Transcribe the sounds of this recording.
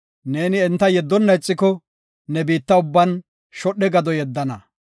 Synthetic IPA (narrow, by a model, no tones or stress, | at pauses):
ne̞ːnɪɛnt̪ːɐjɛd̪ːɔnːɐjɪt͡sʼːɪkɔ | nɛbiːt̪ːɐʊbːɐn | ʃɔɗːɛɡɐd̪ɔjɛd̪ːɐnɐ